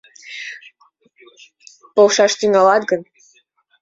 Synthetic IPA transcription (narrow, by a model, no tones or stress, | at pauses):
polʃɑʃt̪yŋɑlɑt̪ɡən